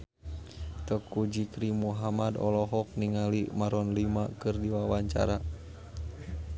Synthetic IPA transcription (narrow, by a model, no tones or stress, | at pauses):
t̪əkud͡ʒikɾimuɦamadɔ̰lɔɦɔk̚niŋalimaɾɔnlimakɨrdiwawaɲt͡ʃa̰ɾa